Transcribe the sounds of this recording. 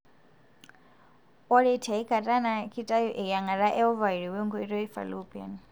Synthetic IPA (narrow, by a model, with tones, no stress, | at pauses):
ɔ˦ɺe˦tʰa˨i˦kʰʼa˨tʼa˦na˨kʰi˦tʼa˦jɔ˦ʔɛ˨ja˨ŋa˨ɾa˦ʔɛ˦ɦɔ˦va˨i˨ɾi˨wɛ˦ŋɡɔ˦i˦ɾɔ˦i˦fa̰˨lupʼa̰˨n